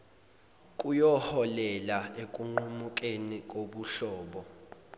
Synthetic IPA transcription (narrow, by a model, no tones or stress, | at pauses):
kʼujɔhɔlɛlaekʼuŋ͡ǃumukʼenikʼoɓuɬɔːɓɔ